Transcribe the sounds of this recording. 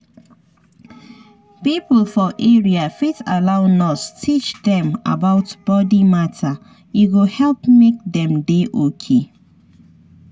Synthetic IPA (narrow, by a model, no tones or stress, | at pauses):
piplfɔʔeɹiafitalaʊnɔstʰit͡ʃdɛ̃ma̰baʊtb̥ɔdimatʰa | iɡohɛlpmek̚dɛ̃mdeʔokʰe